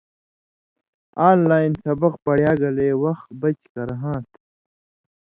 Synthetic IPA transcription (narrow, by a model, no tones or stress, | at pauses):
aːnlaːjnsɐbɐq̚pɐɽjaːɡɐleːwɐxt̪bɐt͡ɕkɐɾɦãːt̪